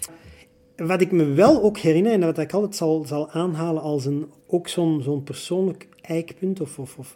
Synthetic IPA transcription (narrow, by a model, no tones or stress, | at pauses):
ʋɑtɪkməʋɛlˠoːkhɛɾɪnərɛnatɑɪkɑlˠtɛtsɑlˠzɑlˠaːnɦaːlənɑlˠsən | oːksoːnzoːnpərsoːnlək | ɛjkpɵntɔfɔfɔf